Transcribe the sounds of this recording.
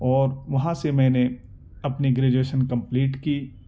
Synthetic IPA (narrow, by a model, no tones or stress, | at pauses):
ɔːɾʋɐɦãsemɛ̃ːne | ɐpniɡɾeːd͡ʒueːʃənkɐ̃mpliːʈkiː